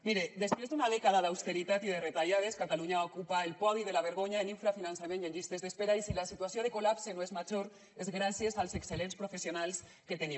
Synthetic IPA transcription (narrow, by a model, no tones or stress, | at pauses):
miɾed̪espɾezd̪unaðekaðaðawst̪eɾit̪at̪iðeret̪aʎað̞eskat̪aluɲaβaokupaelpɔðiðelaβ̞eɾɣ̞oɲaniɱfɾafinansameneɲʎist̪ezðespeɾaisilasit̪uwasjoð̞ekolapsenoezmad͡ʒoɾ | ezɣɾasjezalsekselenspɾofesjonals | ket̪eni